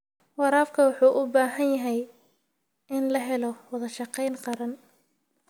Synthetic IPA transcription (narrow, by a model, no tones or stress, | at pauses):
wɑɾaːfkʰɐwɑħuːʔʊbaːɦɐnjɐɦɛj | ɪnlɐɦɛlɔwɐðɐʃɑqɛjnqɑɾɐn